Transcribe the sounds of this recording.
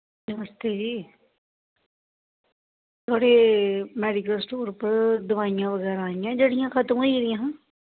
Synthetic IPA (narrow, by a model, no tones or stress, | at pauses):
nəməst̪eːd͡ʒiː | t̪ʰaːɽeːmɛːɖɪkəlsʈoːɾpəɾd̪ʊʋaːijãʋəɡɛːɾãaːijãd͡ʒəɽijãkʰət̪mɦoiɾijãɦãː